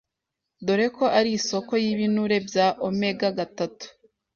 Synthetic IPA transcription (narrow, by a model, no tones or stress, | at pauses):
doɾe̞ko̞ʔaɾiso̞ko̞jiβinuɾe̞bjaːʔomeɡaɡatatu̥